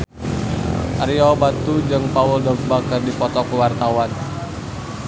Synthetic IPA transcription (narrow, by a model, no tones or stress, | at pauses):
ʔaɾiɔbat̪ud͡ʒɨŋpauldɔɡ̚bakərdipɔt̪ɔkəwart̪awan